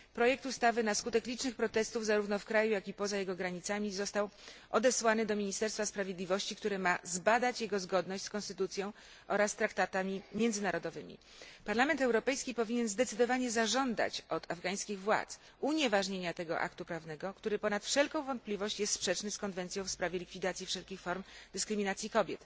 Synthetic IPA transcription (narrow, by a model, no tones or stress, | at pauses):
pɾɔjɛk̚t̪ust̪avɘnaskut̪ɛklʲit͡ʂnɘxpɾɔt̪ɛst̪uvzaɾuvnɔfkɾajujakʲipɔzajɛɡɔɡɾaɲit̪samʲizɔst̪awʔɔd̪ɛswanɘd̪ɔmʲiɲist̪ɛɾst̪faspɾavʲjed̪lʲivɔɕt͡ɕikt̪uɾɘmazbad̪at͡ɕjɛɡɔzɡɔd̪nɔɕt͡ɕʲskɔ̃nst̪ɘt̪ut̪sʲjɔ̃w̃ | ʔɔɾasːt̪ɾakt̪at̪amʲimʲjɛnd̪zɘnaɾɔd̪ɔvɘmʲḭ | paɾlamɛnt̪ɛwɾɔpɛjskʲipɔvʲiɲɛnzd̪ɛt̪sɘd̪ɔvaɲɛzaʐɔnd̪a̰t͡ɕɔd̪avɡaj̃skʲiɣvwa̰t̪s | uɲevaʐɲeɲat̪ɛɡɔ̰ʔa̰kt̪upɾavnɛɡɔkt̪uɾɘpɔnat̪fʂɛlkɔ̃w̃vɔnt̪̚plʲivɔɕt͡ɕjɛst̪spʂɛt͡ʂnɘskɔnvɛnt̪sʲjɔ̃w̃fspɾavʲjɛlʲikfʲid̪at̪sʲjifʂɛlkʲixfɔɾmd̪ɘskɾɘmʲinat̪sʲikɔbʲjɛt̪